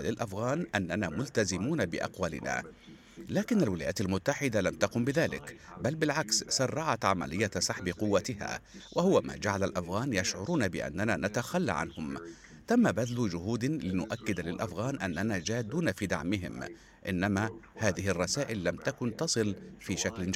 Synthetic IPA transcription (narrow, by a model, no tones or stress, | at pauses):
lɪlʔafɣaːnʔanːanaːmʊlt̪azɪmuːnabɪʔa̰qwalɪ̰na̰ː | laːkɪnalwɪlaːjaːt̪almʊt̪ːaħɪd̪alamt̪ɑqʊmbɪðaːlɪ̰kbalbɪlʕakssɑrˤːɑʕat̪ʕama̰lɪjːasˤɑħbɪqʊwːat̪ɪha̰ːwʔahʊwama̰ːd͡ʒaʕalalʔafɣaːnjaʃʕʊɾuːnabɪʔa̰nːananat̪axalːa̰ʕa̰nhʊm | t̪amːabad̪lʊd͡ʒʊɦuːd̪lɪnʊʔakːɪd̪lɪlʔafɣaːnʔanːanaːd͡ʒaːd̪uːnafiːd̪a̰ʕmɪɦɪ̰m | ʔɪ̰nːamahaːðɪhɪrˤːɑsaːʔɪlːamt̪akʊnt̪ɑsˤɨlfiːʃaklɪ